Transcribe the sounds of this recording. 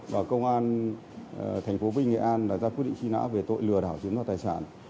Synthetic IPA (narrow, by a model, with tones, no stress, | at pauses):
vaː˨˩kə˧wŋ͡mʔaː˧n | t̪ʰjŋ̟fo˨˦vi˧ŋŋḛ˧˨ʔaː˧nlaː˨˩zaː˧kwi˦˥tɗḭ˧˨ŋt͡ɕi˧na̰ː˧˥ve˨˩t̪o̰˧˨jlɨ˨˩əɗa̰ː˧˩wt͡ɕɨ˨˦ŋvaː˨˧˩taː˨˩jsaː˧˩˨n